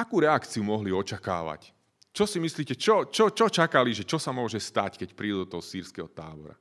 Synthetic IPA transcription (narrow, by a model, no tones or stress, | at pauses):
akuːɾɛakt͡siumɔɦliɔt͡ʃaka̰ːʋa̰c | t͡ʃɔsimisliːcɛt͡ʃɔt͡ʃɔt͡ʃɔt͡ʃakaliʒɛt͡ʃɔsamʊɔʒɛst̪ackɛcpɾiːd̪ɔt̪ɔɦɔsiːɾskɛɦɔt̪aːbɔ̰ɾa̰